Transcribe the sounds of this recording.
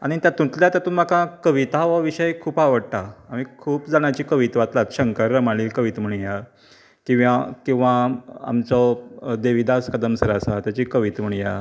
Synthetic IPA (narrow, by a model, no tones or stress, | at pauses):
a̰ɽ̃it̪jat̪ũt̪ljat̪jat̪ũːnm̤akãkəʋit̪aʋəʋiɕəjkʰuːpaʋəɽt̪aːmikʰuːpd͡zaɳ̃jat͡ɕiːkəʋit̪ʋat̪lat̪ɕəŋkəɾːəmaliːlkəʋiːt̪m̤əɳ̃ja | kĩw̃ʋakĩw̃ʋaa̰mt͡sɔd̪eʋid̪askəd̪əmsəɾasat̪jat͡ɕiːkəʋiːt̪m̤əɳ̃ja